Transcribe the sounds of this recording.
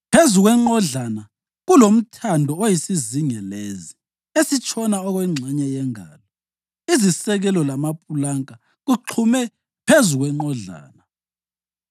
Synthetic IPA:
pʰezuɣwɛŋ͡ǃɔɮana | ɣulom̩tʰandʱɔojisiziŋɛlezi | esit͡ʃʼɔnaɔɣwɛŋ͡ǀʱɛɲɛjɛŋa̰ːlɔ | izisɛɣɛlɔlamapʰʼulaŋkʼa | ɣuǃʰumɛ | pʰezuɣwɛŋ͡ǃɔɮa̰ːna

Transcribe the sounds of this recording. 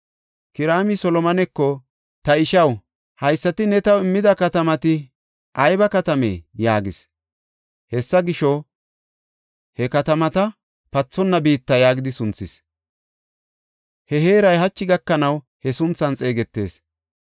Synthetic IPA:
kɪɾaːmisɔlɔmɐnɛkːɔ | t̪ɐɪʃɐw | hɐjsːɐt̪ɪnɛt̪ɐwɪmːɪd̪ɐkɐt̪ɐmɐt̪ɪ | ʔɐjbɐkɐt̪ɐmḛːjaːɡɪs | hɛsːɐɡɪʃɔ | hɛkɐt̪ɐmɐt̪ɐ | pɐt͡sːɔnːɐbiːt̪ːɐjaːɡɪd̪ɪsʊnt͡sːɪs | hɛɦe̞ːɾɐjhɐt͡ʃːɪɡɐkːɐnɐw | hɛsʊnt͡sːɐnt͡sʼe̞ːɡɛt̪ːe̞̰ːs

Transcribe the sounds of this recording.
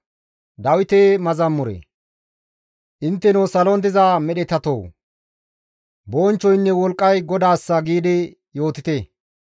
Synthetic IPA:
d̪ɐwɪt̪eːmɐzɐmːʊɾḛ | ʔɪnt̪ːɛnoːsɐlɔnd̪ɪzaːmɛɗɛt̪ɐt̪o̰w | boːnt͡ʃːɔjnːɛwɔlkʼːɐjɡɔd̪aːsːɐɡiːd̪ɪ | jo̞ːt̪ɪt̪e

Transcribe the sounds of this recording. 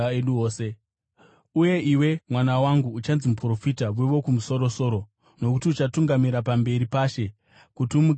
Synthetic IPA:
eɗuoːse | uje̞ʔiwe̞mwanawaŋɡuːt͡ʃanzimupro̞fitaʋweʋo̞kumuso̞ɾo̞so̞ɾo̞ | no̞kutiut͡ʃatuŋɡamiɾapambe̞ɾipaʃe̞ | kutumu

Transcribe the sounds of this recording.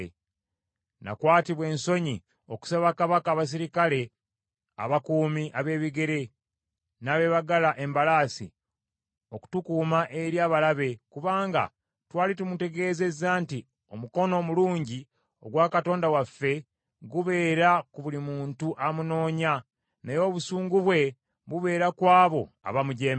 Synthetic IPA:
nʔa̰kwaːtiβwe̞ːnso̞ɲi | o̞ku̥saβakaβakaːβas̬iɾikale̞ | a̰βakuːmiʔaβe̞ːβiɡe̞ɾe̞ | naːβe̞βaɡalaʔe̞mbalasḭ | oku̥tukuːmaʔe̞ɾjaːβalaβe̞kuβaːŋɡa̰ | twaːlitumute̞ɡe̞ːze̞zaːnti | o̞muko̞no̞muluːɲɟi | o̞ɡwakato̞ːndawafːe̞ | ɡuβe̞ːɾakuβulimuːntuʔamuno̞ːɲa | nejo̞ːβusuːŋɡuβwe̞ | βuβe̞ːɾakwaːβo̞ | a̰βamuɟeːm

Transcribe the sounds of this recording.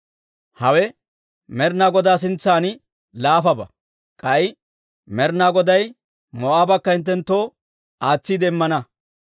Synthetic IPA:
hɐwɛ | mɛɾnaːɡɔd̪aːs̬ɪnt͡sːaːn | laːfɐbɐ | kʼɐɪ | mɛɾnaːɡɔd̪ɐj | moːaːbɐkːɐɪnt̪̬ːɛnt̪ːo̞ː | ʔaːt͡sːid̪ɛmːɐnɐ

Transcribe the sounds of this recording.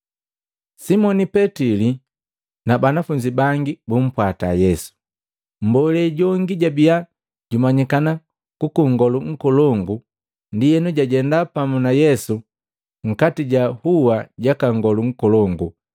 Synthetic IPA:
simɔnipɛtili | nabanafuɲd͡ʒibaŋɡibum̩pwata̰jɛsu̥ | m̩bɔlɛɟɔŋɡiɟabia | ɟumaɲikana | kukuŋɡɔluŋ̩kɔlɔŋɡu | ndijɛnuɟaɟɛndapamunajɛsu | ŋ̩katiɟahuwaɟakaŋɡɔluŋ̩kɔlɔŋɡu

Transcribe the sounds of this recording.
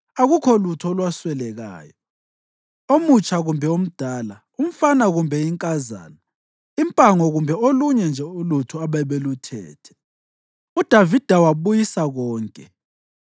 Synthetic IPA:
aɣukʰɔlutʰɔlwaswɛlɛɣa̰ːjɔ | omut͡ʃʰʼaɣumbʱɛom̩d̥ʱaːla | um̩fanaɣumbʱɛiŋkʼaza̰ːna | impʼaŋɔɣumbʱɛoluɲɛnd͡ʒʱɛulutʰuaβaβelutʰɛ̰ːtʰɛ̥ | ud̥ʱavid̥ʱawaβujisaɣɔːŋkʼɛ

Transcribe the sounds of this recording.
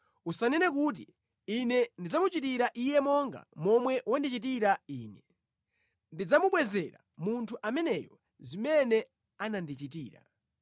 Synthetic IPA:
usanɛnɛkut̬i | inɛndid͡zamut͡ʃitiɾaʔijɛmɔŋɡa̰mɔmwɛwandit͡ʃit̬iɾaiːnɛ | ndid͡zamuɓwɛzɛɾa̰ | muntʰuʔamɛnɛjɔ | zimɛnɛ | anandit͡ʃit̬iːɾa

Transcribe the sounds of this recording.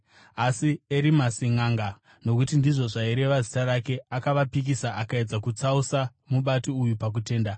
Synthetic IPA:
asieɾimasiŋaːŋɡa | no̞kutindiʐo̞ʐaiɾe̞ʋazitarake̞akaʋapik̬isaʔakae̞d͡zakut͡sausa | muɓatoujupak̬ute̞ːnda

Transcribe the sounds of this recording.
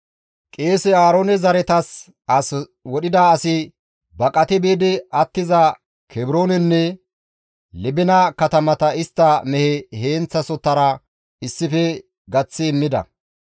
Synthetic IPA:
kʼeːsɛaːɾoːnɛzɐɾɛt̪ɐs | ɐs | wɔɗɪd̪aːsɪ | bɐkʼɐt̪ɛbeːd̪ɪɐt̪ːɪzɐ | kʰɛbɪɾo̞ːnɛnːɛ | lɪbɪnɐkɐt̪ɐmɐt̪ɐɪst̪ːɐmɛhɛhe̞ːnt͡sːɐsɔt̪ːɐɾɐ | ɪsːɪfɛ | ɡɐt͡sːɪːmːɪd̪ɐ̰

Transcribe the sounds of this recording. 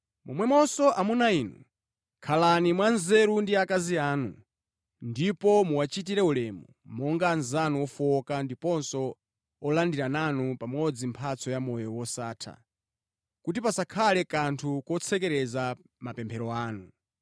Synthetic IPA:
mɔmwɛmɔsɔʔamunaiːnṵ | kʰalanimwanzɛɾundiakaziaːnṵ | ndipɔmuwat͡ʃit̬iɾɛulɛmṵ | mɔŋɡanzanuwɔfɔkandipɔnsɔ | ɔlandiɾananupamɔd͡zim̩pʰat͡sʰɔjamɔjɔwɔsaːtʰa̰ | kutipasakʰalɛkantʰukɔt͡sʰɛkɛɾɛza | mapɛmpʰɛɾɔaːnu

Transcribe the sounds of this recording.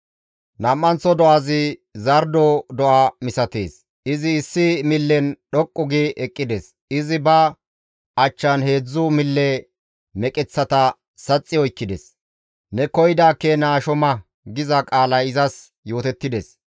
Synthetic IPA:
nɐmːɐnt͡sːɔd̪ɔʔazɪzɐɾd̪ɔd̪ɔʔaːmɪsɐt̪ḛːs | ɪzɪːsːɪmɪlːɛnɗɔkʼːʊɡiɛkʼːɪd̪es | ɪzɪbɐ | ɐt͡ʃːɐnhe̞ːd͡zːʊmɪlːɛ | mɛkʼɛt͡sːɐt̪ɐ | sɐt͡sʼːɪɔjkːɪd̪ɛ̰s | nɛkɔjd̪aːkːɛnaːʃɔmɐ | ɡɪzɐkʼaːlɐjɪzɐs | jo̞ːt̪ɛt̪ːɪd̪ɛs

